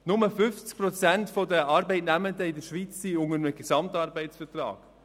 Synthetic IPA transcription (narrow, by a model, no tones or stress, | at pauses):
nʊməfʏft͡sk̚pɾɔt͡sæntfɔdəʔɑɾbɛɪtnæməndəɪdəɾʃʋit͡sːiʊŋəɾməɡ̥ɛsɑmtɑɾbɛɪtt͡sfətrɑ̰ːɡ̥